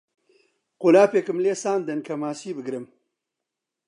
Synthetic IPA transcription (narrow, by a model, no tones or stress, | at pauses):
qolaːpekɨmleːsaːnd̪ɐnkʰɐmaːsiːbɨɡɾɨm